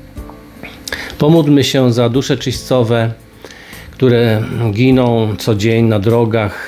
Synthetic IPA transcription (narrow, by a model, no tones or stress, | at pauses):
pɔmud̪mɘɕɛzad̪uʂɛt͡ʂɘɕst̪sɔvɛ | kt̪uɾɛɡʲinɔ̃w̃t̪sɔd͡ʑeɲnad̪ɾɔɡax